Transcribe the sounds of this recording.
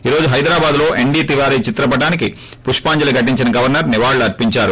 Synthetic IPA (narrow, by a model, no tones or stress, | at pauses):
iːɾo̞ːd͡ʒuɦɐjd̪ɾaːbaːd̪lo̞ːʔe̞ɳɖiːt̪iʋaːɾiːt͡ʃit̪ɾɐbɐʈaːniki | puʂpaːɲd͡ʒɐlɐɡʱɐʈ̬ːiɲt͡ʃinɐɡɐʋɐɾnɐɾniʋaːɭːɐɾpiɲt͡ʃaːɾu